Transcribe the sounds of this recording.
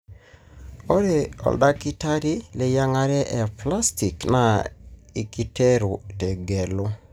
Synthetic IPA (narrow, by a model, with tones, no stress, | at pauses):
ɔ˦ɾɛ˨ɔ̰˨lda˦ki˦ta˦ɾi˦le˦˨ja˦ŋa˦ɾɛ˦ʔɛ˨pla˦sti˨kna˨i˨ki˦tɛ˦ɾu˨tɛ˨ɡɛ˨lo˦